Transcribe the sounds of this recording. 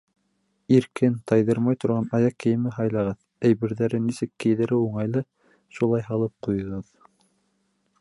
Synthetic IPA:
iɾkɘnt̪ʰɑjðɤɾmɑjt̪ŏɾʁɑnɑjɑkːɘ̆jɘ̆mɘɦɑjlˠɑʁɑð | æjβɘ̆ɾðæɾɘnisɘkːɘ̆jðɘ̆ɾɘuɴɑjlˠɤ | ʃulˠɑjɦɑlˠɤp̚qujɤ̆ʁɤð

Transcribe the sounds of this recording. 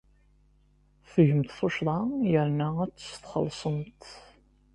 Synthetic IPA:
fəʝəmt̪θʊʃɾˤɑjəɾnææt͡sːə̥sθχə̰lːsˤəmt̪

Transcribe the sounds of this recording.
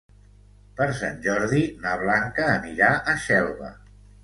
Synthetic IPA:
pəɾsa̰nʲʒɔɾðinaβlaŋkəːniɾaʔəʃɛlˠβə̰

